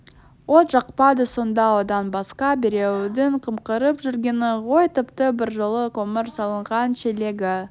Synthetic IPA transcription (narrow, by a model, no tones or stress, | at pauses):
wot̪ʒɑqpɑd̪əso̞nd̪ɑwod̪ɑnbɑsqɑbeɾe̞wd̪ɪɴqʰəmqəɾəpʒʏɾɡʲe̞nɪʁo̞jt̪ʰɪpt̪əbɪɾʒolˠəqʰoməɾsɑlˠəɴʁɑnʃele̞ɡʲɪ